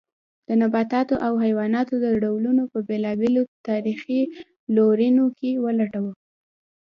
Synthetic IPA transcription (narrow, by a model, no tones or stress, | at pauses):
d̪̥ənabɑt̪ɑt̪oʔawɦajwɑnɑt̪od̪əɖawlunopəbelɑbelot̪ɑɾixi | loɾinokewəlaʈawə